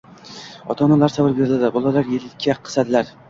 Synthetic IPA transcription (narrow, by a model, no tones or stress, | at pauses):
ɒ̰t̪ʰɒnalaɾsavɪɾbeɾɪld̪ɪbɒlˠalaɾjelɪkʲʰːaqʰɨ̥ad̪ɪlaɾ